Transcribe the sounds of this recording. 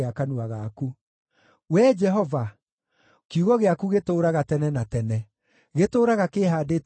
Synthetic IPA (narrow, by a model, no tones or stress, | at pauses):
akanuaɣaku | wɛd͡ʒɛɦɔva | kuɣɔɣeakuɣetoːɾaɣatɛnɛnatɛnɛ | ɣetoːɾaɣakeːɦaːdet